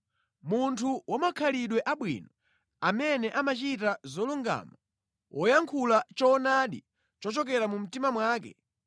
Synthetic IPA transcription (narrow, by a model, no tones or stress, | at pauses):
muntʰuwʔɔmakʰaliɗwɛʔaɓwḭnɔ | amɛnɛʔamat͡ʃitazɔluŋɡa̰ma | wʔɔjaŋkʰulat͡ʃɔːnaːɗi | t͡ʃɔt͡ʃɔkɛɾamum̩timamwaːk̬ɛ̰